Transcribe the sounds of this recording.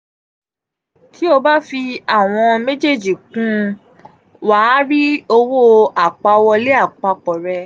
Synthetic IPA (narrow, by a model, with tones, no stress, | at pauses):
kʰi˦o˧ba˦fi˧a˦˨w̃ɔ̃˧me˦d͡ʒe˦˨d͡ʒi˨kũ˦ | waː˦ɾi˦o˧wo˦a˨k͡pa˧wɔ˧le˦a˦˨k͡pa˧k͡pɔ˨ɾɛ˧